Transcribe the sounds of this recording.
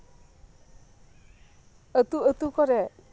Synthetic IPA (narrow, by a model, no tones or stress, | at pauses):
ət̪uət̪ukɔɾe